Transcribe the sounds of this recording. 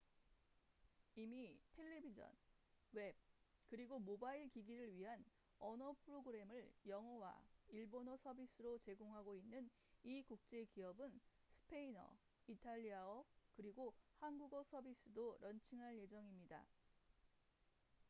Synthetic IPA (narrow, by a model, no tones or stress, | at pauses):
imitʰe̞ɭːe̞bid͡ʑʌ̰n | we̞b̚kɯɾiɡomobaiɭkiɡiɾɯɭɥiɦan | ʌnʌpʰɯɾoɡɯɾe̞mɯɭjʌŋɦʌwa̰iɭbonʌsʰʌbis͈ʰɯɾot͡ɕe̞ɡoŋɦaɡoinːɯn | ikuk̚t͡ɕ͈e̞kiʌbɯn | sʰɯ̥pʰe̞inʌ̰ | itʰaʎːiaʌkɯɾiɡohanɡuɡʌsʰʌbis͈ɯdoɾʌnt͡ɕʰiŋɦaɭje̞d͡ʑʌŋimɲida̰